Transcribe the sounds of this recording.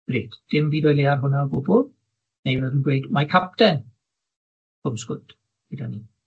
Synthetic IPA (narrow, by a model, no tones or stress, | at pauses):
b̥riːd̥d̥ɪmviːdɔjlˠearɦʊnaɔɡʊbʊlˠ | nejvɛdunɡwejdmakʰap̚tɛn | kʰʊmskʊt | idaniː